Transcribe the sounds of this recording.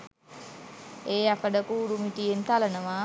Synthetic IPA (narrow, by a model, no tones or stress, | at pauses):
eːakəɖəkuːɾumiʈijent̪alənəʋaː